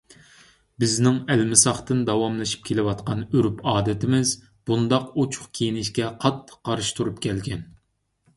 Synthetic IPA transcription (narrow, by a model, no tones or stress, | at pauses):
bɪznɪŋɛlmɪsɑχt̪ɨnd̪ɑwɑmlˠɨʃi̥p̚kʲʰelɪwɑt̪qɑnøɾypʰɑːd̪ɪt̪ʰɪmɪz | b̥und̪ɑqot͡ʃʰʊ̥χkʲʰejinɪʃkʲɛqʰɑt̪ʰːɨ̥qːɑɾɨʃt̪ʰuɾupkʲʰɛlɡʲɛn